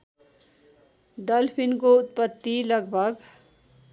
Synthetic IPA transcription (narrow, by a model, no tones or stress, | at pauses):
ɖʌlpʰinkout̪̚pʌt̪ːilʌɡbʱʌɡ